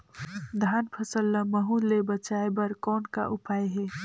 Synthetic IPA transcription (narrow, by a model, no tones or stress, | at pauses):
d̪ʱaːnpʰəsəlːəməɦulːebət͡ʃaːebəɾkɔːnka̰ʔʊpaːeɦɛ